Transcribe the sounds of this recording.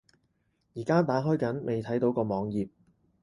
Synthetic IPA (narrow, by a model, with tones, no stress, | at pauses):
jiː˨˩kaː˥t̪aː˨˥ɦɔː˥jkɐ˨˥nmʔe˨jt̪ʰɐ˨˥jt̪o˨˥wkɔː˧mɔː˨˧ŋjiː˨p̚